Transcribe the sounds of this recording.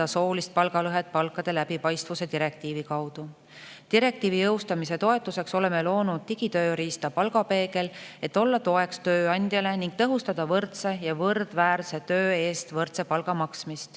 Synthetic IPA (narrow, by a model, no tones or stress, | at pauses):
ɑso̞ːlist̪̚pɑlɡɑlɤɦe̞t̪̚pɑlkːˑɑd̪̥e̞læbipɑjst̪vuse̞t̪iɾe̞k̚t̪iːvikɑwd̪̥u | t̪iɾe̞k̚t̪iːvijɤwst̪ɑmise̞t̪o̞e̞t̪ːˑuse̞kso̞le̞melo̞ːnud̪̥̚t̪iɡ̥it̪ø̞ːɾiːst̪ɑpɑlɡɑpe̞ːke̞le̞t̪ːˑo̞lːɑt̪o̞e̞kst̪ø̞ːɑnʲd̪̥jɑle̞niŋɡ̥̚t̪ɤɦust̪ɑd̪̥ɑvɤrt̪se̞jɑvɤrd̪̥væːɾse̞t̪ø̞ːe̞ːst̪vɤrt̪se̞pɑlɡɑmɑksmist̪